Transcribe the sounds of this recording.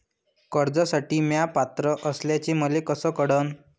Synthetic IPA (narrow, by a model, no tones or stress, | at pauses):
kəɾd͡zasaʈiːmjapat̪ɾəʔəsljat͡ɕeməlekəsəkəɽən